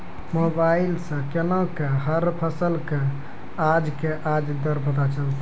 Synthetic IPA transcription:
mobailsə̃kenɔ̃keɦəɾpʰəsəlke | ad͡ʒkeʔad͡ʒd̪əɾbət̪at͡ʃəlt̪i

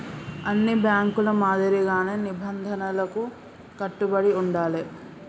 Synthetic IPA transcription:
ɐnːibjaːŋkulɐmaːd̪ɐɾiɡaːneːnibɐnd̪ʱɐnɐlɐku | kɐʈːubɐɽiuɳɖaːli

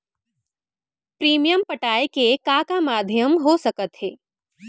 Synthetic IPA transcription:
pɾiːmijəmpəʈaːjkekakamaːd̪ʱjəmɦosəkət̪ɦeː

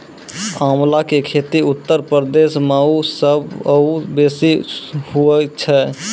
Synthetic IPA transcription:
amlakekʰet̪iut̪ːəɾpəɾəd̪esmausəbəubesihuɛt͡ʃʰɛ

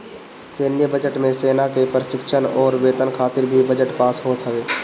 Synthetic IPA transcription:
seːnjəbəd͡ʒəʈmẽseːnakepəɾʃɪkʃʰənɔːɾʋeːt̪ənkʰaːt̪ɪɾbʱibəd͡ʒəʈpaːsɦoːt̪ɦəʋeː

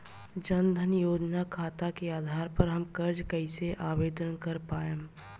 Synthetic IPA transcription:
d͡ʒɐnd̪ʱənjoːd͡ʒnakʰaːt̪akeaːd̪ʱaːɾpɐɾɦɐmkɐɾd͡ʒkəɪseʔaːʋeːd̪ənkɐɾpaːe

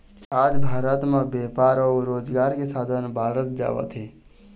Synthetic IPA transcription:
ad͡ʒbʱaːɾət̪mebepaɾɔɾod͡ʒɡaɾkesad̪ʱənbʱaɾət̪̚d͡ʒa̰bə̰t̪ɦɛ

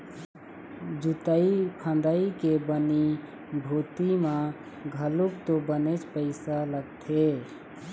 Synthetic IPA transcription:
d͡ʒut̪əikʰə̃nd̪əikebəni | bʱut̪imã | ɡʱəlukt̪obənet͡ʃpəɪsaləɡt̪ʰe

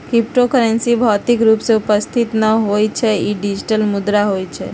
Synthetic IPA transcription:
kɾip̚ʈokəɾensibʱat̪ikɾupseupəst̪ʰit̪nəɦojt͡ʃʰeiɖid͡ʒiʈəlmʊd̪ɾaɦojt͡ʃʰḛ

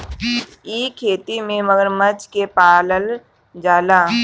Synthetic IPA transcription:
iːkʰeːt̪imẽməɡəɾmət͡ʃkepaːləl | d͡ʒaːlaː

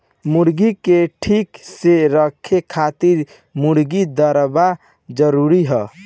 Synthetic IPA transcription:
muɾɡikeʈʰikseɾəkʰːekʰat̪iɾ | muɽɡid̪əɾba | d͡ʒəɾuɾiɦɛ

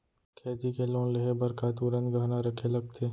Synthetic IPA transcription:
kʰɛːt̪ikelõːleɦebɐɾkat̪uɾə̃nt̪ɡɐɦnaɾɐkʰelɐɡ̚t̪ʰeː

